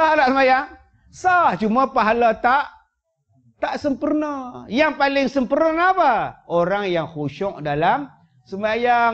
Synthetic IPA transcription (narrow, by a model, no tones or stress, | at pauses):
sahnaʔsəmajaŋ | saht͡ʃumapaɦalat̪aʔ | t̪aʔsəmpərnajaŋpalɪŋsəmpərnənapaoɾaŋjaŋhuʃɔʔ̚dalam | səmbajaŋ